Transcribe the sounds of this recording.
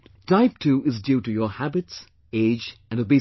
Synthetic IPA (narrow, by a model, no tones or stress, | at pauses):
tʰaɪp̚tʰʉːʔɪzdjʉːɾɨjə˞hæbɨts | eɪd͡ʒɨ̃nəbi